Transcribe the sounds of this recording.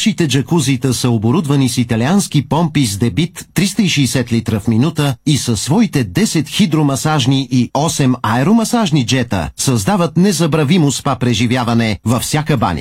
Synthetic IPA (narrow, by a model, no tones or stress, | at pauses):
ʃit̪ɛd͡ʒɐkuzit̪əsəoboɾud̪vɐnisit̪ɐliansk̟ipɔmpisd̪ɛbit̪ːɾist̪əiʃisɛt̪lit̪ɾəfminut̪əisɐsːvɔit̪ɛd̪ɛsɛt̪xid̪ɾomɐsaʒniʔiɔsɛmaɛɾomɐsaʒnid͡ʒɛt̪ə̰sɐzd̪avət̪nɛzɐbɾɐvimospapɾɛʒivjavɐnɛvɐfsʲakəba̰nʲə̰